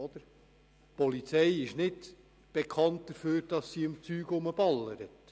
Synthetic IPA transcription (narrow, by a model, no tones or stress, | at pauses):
ɔd̪əɾ | pɔlit͡sɛjɪʃnɪd | b̥ekʰɑnt̚d̪̥əɾføːɾd̥ɑsːiəmt͡syːɡʊməb̥ɑlːəɾət